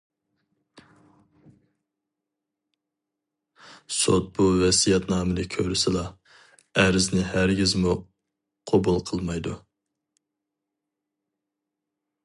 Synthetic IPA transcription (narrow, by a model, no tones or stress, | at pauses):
sot̪̚buvɛsijɛt̪nɑːmɨlɨkʲʰøɾysɪlˠɑ | æɾɪznɪhæɾɡʲizmu | qʰobulˠqʰəlˠmɑjd̪u